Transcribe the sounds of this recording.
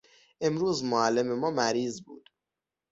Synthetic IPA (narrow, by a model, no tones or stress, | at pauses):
e̞mɾuːzmoælːe̞me̞mɒːmæɾiːzbṵːd̪̥